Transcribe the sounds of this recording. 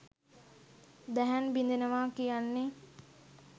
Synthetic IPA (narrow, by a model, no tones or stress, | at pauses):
d̪æɦænbind̪enəʋaːkijanːe